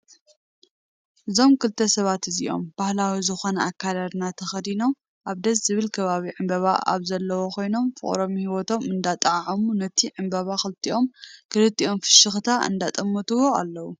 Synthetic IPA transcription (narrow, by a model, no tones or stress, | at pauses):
ʔɨzo̞mkʰɨlt̪ʰːɐsɐβat̪ɨzḭʔo̞̰mbahlawizɨxo̞nɐakʰːad̪ad̪nat̪ʰɐxɐd̪ino̞m | ʔaβd̪ɐszɨβɨlkʰɐβaβiʕɨmbɐβa̰a̰βzɐlːɐwokʰo̞jno̞mfɨ̰χʼɾo̞mhiwot̪ʰo̞mɨnd̪at̪ʼaʕʕamunɐt̪ʰiʕɨmbɐβaxɨlt̪ʰiʔo̞mkʰɨlɨt̪ʰːiʔo̞mfɨ̥ʃɨxt̪ʰaʔɨ̰nd̪at̪ʼɐmːot̪ɨwoa̰lːɐwu